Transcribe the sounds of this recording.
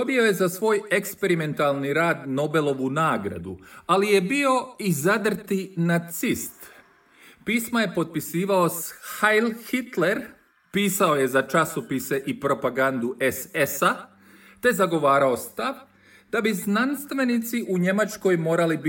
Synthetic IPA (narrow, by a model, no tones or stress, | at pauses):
obio̞je̞zasʋo̞ːje̞kspe̞ɾime̞nt̪alˠniɾaːd̪no̞be̞lo̞ʋunaːɡɾa̰d̪ṵalije̞bio̞izad̪r̩t̪inat̪sist̪ | piːsmaje̞po̞t̪̚pisiːʋao̞sxajlxit̪le̞ɾ | piːsao̞je̞zat͡ʃasopise̞ʔipɾo̞paɡand̪uʔesesa | t̪e̞zaɡo̞ʋaːɾao̞st̪aʋ | d̪̥abiznanst̪ʋe̞nit̪siʔuɲe̞mat͡ʃko̞jmo̞ːɾalib